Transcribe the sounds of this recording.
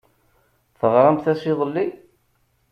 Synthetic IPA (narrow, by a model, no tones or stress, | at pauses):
fəʁɾˤɑmθæsiðˤəlːi